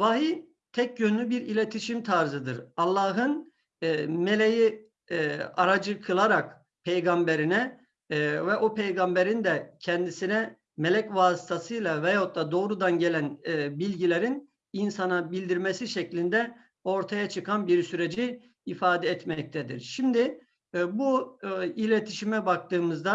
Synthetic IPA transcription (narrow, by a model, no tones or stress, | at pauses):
vaɦiː | t̪ʰɛc̚ɟønlʲybiɾilʲet̪ʰiʃimt̪ʰaɾzɯd̪ɯɾɑlˠːɑːɦɯnː | melʲeji | aɾad͡ʒɯkʰɯlˠaɾak | pʰejɡambeɾinɛ | vɛʔopʰejɡambeɾind̪ɛcʰɛnd̪isinɛ | melʲɛcvaːsi̥t̪ʰasɯjlˠavɛjot̪lˠad̪o̞ːɾud̪anɟe̞lʲænbilʲɟilʲeɾin | insanabilʲd̪iɾmesiʃɛclʲind̪ɛ | o̞ɾt̪ʰajat͡ʃʰɯkʰanbiɾsyɾed͡ʒiː | faːd̪ɛːt̪mɛc̚t̪ʰɛd̪ḭɾʃimd̪i | builʲet̪ʰiʃimɛbak̚t̪ɯːmɯzd̪a